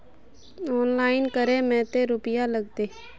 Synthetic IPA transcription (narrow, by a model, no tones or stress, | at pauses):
ɔːnlaːɪnkəɾẽmɛ̃ːt̪eɾʊpɪjaləɡ̚t̪eː